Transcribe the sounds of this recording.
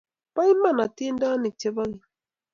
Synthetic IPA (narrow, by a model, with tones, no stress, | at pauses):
pa˦i˦ma˦˨na˨ti˦n˦da˦ni˨t͡ʃe˦ba˦ŋi˨